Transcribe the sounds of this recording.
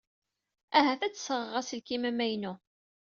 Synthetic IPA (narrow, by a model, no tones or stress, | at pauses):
æɦæθæt͡sːsəʁəʁæsəlkimæmæjnu